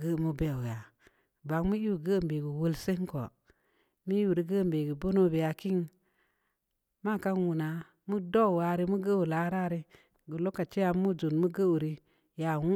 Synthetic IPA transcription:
ɡə˦˨mo˦be˦˨ja˨ | ba˨ŋmu˦ji˦u˨ɡə˦˨mbe˨ɡu˨wə˦lse˦ŋ˦ko˨ | mi˦u˨ɾi˦ɡə˦˨mbe˨ɡu˨bo˦no˦be˨a˨ki˦ŋ | ma˦˨ka˦n˦wu˨na˨ | mu˦do˦˨wa˨˦ɾi˦mu˦ɡə˦wu˨la˨˦ɾa˦˨ɾi˦ | ɡu˨lo˦kːa˨t͡ʃe˦ja˦mu˦d͡ʒo˨nmu˦ɡə˦˨wu˨ɾi˦ | ja˨wu˦

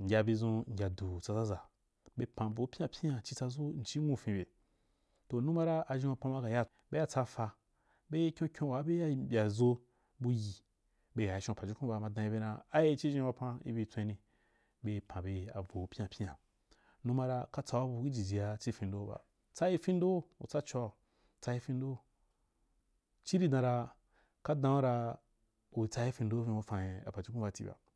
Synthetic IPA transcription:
ŋ̩˨ɡʲa˧be˧zũ˧ŋ̩˨ɡʲa˨du˨t͡sa˧za˦za˨ | be˧pã˨vo˨˦pʲi˦ã˧pʲi˦ã˧t͡ʃi˧t͡sa˧zo˦n̩˨t͡ʃi˦ŋũ˦fĩ˧be˨ | to˨nũ˦ma˦ɾa˦a˧ʒĩ˧˦a˧pã˧ma˧ka˨ja˦ | be˦ja˦t͡sa˧fa˧ | be˦kʲõ˦kʲõ˦wa˨˦be˦ja˦˨bʲa˨zo˧ | bu˧ji˨ | be˧ja˨ʃõ˧pa˨d͡ʒu˦kũ˦ba˧˨ma˧dã˧ji˧be˧nã˧a˦je˧˦t͡ʃi˦ʒĩ˧wa˧pã˧ḭ˦bi˧˦t͡sʷẽ˧˦nĩ˧ | be˧˦pʰã˨be˧˨a̰˨vo˨˦pʲi˦a˧pʲi˦ã˨ | nũ˧˦mã˧ɾa˧ka˦t͡sa˧wa˦bu˧˨ki˦d͡ʒi˨d͡ʒi˨ja˧t͡ʃi˦fĩ˧ndo˦ba̰˨ | t͡sa˦i˧fĩ˦n˦do˦ṵ˨t͡sa˦t͡ʃo˧a˨ | t͡sa˧i˧˦fĩ˧n˦do˦˨ | t͡ʃi˦ɾi˦dã˧ɾa˧ | ka˦dã˧o˦ɾa˧ | u˨i˨t͡sa˧ji˦fi˧n˦do˦fĩ˧o˧fã˨je˧a̰˨pa˨d͡ʒu˦kũ˦ba˧˨tḭ˨ba̰˨

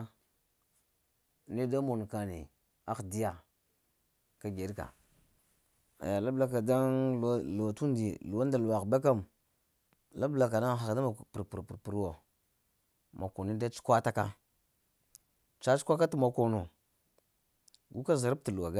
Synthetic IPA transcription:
ni˦da˦mo˨n˨ka˨nḭ˨ | a˦xdi˦ja˨ | ka˦ɡe˨dka̰˨ | a̰˨ja˨la˦bla˦ka˨da˦n˨˦lu˨a˨tu˦ndi˨lu˨wa˦nda˨lu˨wa˨ɣba˦ka˦m˨ | la˦bla˨ka˨na˦˨xa˨kda˦ma˨pɾpu˨ɾpu˨ɾpu˨ɾwo˨ | ma˨ko˨ni˦da˦t͡ʃu̥˦kʷa˦ta˦ka˦ | t͡ʃa˦t͡ʃu̥˦kʷa˦ka˦tu˦ma˨ko˨no˨ | ɡu˦ka˦za˨ɾa˦b̚ti˨lu˨wa˨ɡa˦

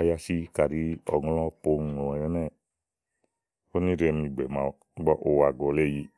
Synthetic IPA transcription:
a˧ja˧si˦ka˨ɾi˧ɔ̰˨ŋ˧lɔ̃˦po˧˨ŋɔ̃˨jɛ˧nɛ˦˨ | o˦ni˦ɾɛ˧mĩ˧ɡ͡bɛ˨mã˨˧˦ɡ͡bɔ˦ʔo˧wa˧˨ɡɔ˧˨lɛ˦˨ji˧

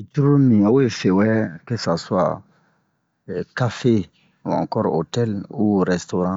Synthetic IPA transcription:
t͡ʃu˦ɾo˦mĩ˨a˨o˦je˨fe˨wɛ˦kɛ˦sa˨so˦a̰˨ | ka˦fe˦ | wã̰˨ŋkɔ˦ɾo˨tɛ˦lu˦ɾɛ˨sto˦ɾã˦

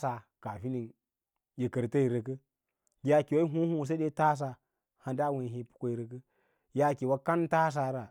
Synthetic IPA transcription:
sa˨ | ka˨fi˦ni˨n | ji˨kə˨ɾta˦i˨ɾə˨k̬ə˦ | ja˦ki˨wa˦i˦ɦu˦hu˦˨s̬a˦de˦ta˦s̬a˨ | ha˨da˦we˨ɦi˦pu̥˦kʷo˦i˨ɾə˨k̬ə˦ | ja˦ki˨wa˦ka˦nta˦s̬a˨ɾa˨

